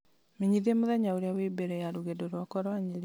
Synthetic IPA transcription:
miɲiðemoðɛɲaoɾeawebeɾɛjaɾuɣedoɾwakɔɾwaɲeɾi

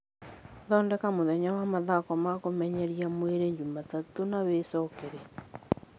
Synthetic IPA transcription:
ðɔndɛkamoðɛɲawamaðakɔmakomɛɲɛɾiamweɾeɲd͡ʒumatatonawesɔkeɾe

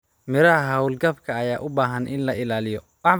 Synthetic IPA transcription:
mɪɾɐɦɐɦɐwlɡɐbkʰɐːjaːʔʊbaːɦɐnʔɪ̰nlɐʔɪlaːlɪjɔ | wɑħ

